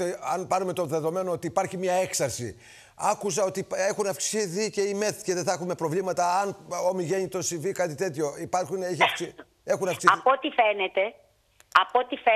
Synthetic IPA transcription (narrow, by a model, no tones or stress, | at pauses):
eɐnpɐnume̞t̪o̞ðe̞ðo̞me̞no̞ot̪iːpɐɾçimɲɐe̞ksɐɾsḭ | ɐkus̬ɐo̞t̪ie̞xunɐfksiθice̞ime̞θceðeθɐxume̞pɾo̞vlimɐt̪ɐɐnomiʝe̞ɲit̪o̞sivikɐt̪it̪e̞t̪ço̞ipɐɾxuneçɐfksi | e̞xunɐksiɐpot̪ifenet̪e̞ | ɐpot̪ife